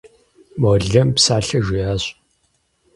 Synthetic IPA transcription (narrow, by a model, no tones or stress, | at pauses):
mɐɮɐmpsaːɬɐʒɪjaːɕʼ